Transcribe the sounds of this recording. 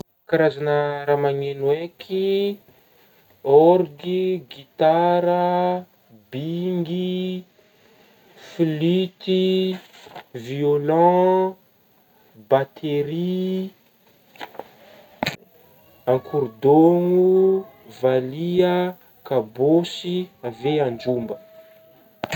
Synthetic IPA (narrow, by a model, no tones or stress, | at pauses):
kaɾazanəɾamaɲenwekʰi | ɔɾɡiɡit̪aɾə | biŋɡi | filit̪i | violɑ̃ | bat̪ʰeɾi | ãkʰuɾd̪oŋu | valiə | kabosiaveand͡ʒumbə